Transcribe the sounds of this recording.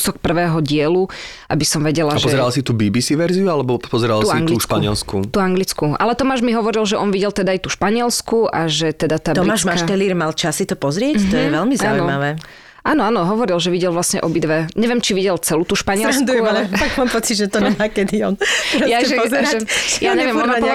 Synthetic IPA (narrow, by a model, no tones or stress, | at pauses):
sɔk̚pr̩ʋɛːɦɔɟɪɛlu | ʔa̰bisɔmʋɛɟɛlapʒpɔɛzɛɾalsit̪uːbiːbisiʋɛɾziualɛbɔpɔzɛɾaluaaŋɡliʃkpaɲɪɛ̰lskṵt̪uaŋɡlit͡skuʔa̰lɛt̪ɔmaːʒmiɦɔʋɔɾilʒɛʔɔnʋiɟɛlt̪ɛd̪aajt̪uʃpaɲɪɛlskuʔaʒɛt̪ɛd̪at̪aːb̪tɔɾmaːmaʃaɛliːɾmalt͡ʃasːit̪ɔpɔzɾɪɛct̪ɔjɛʋɛlmizauinɔmaʋɛː | ʔaːnɔaːnɔɦɔʋɔɾilʒɛʋiɟɛlʋlasɲɛʔɔbid̪ʋɛɲɛʋjɛmt͡ʃiʋiɟɛlt͡sɛlut̪uːʃpaɲɪɛlɾasnd̪uɛaɛfaɡmaːmpɔt͡sidʒɛt̪ɔɲɛmakɛd̪iɔnjaʒɛɔzɾaɛjaɲɛʋʋjɛmɔn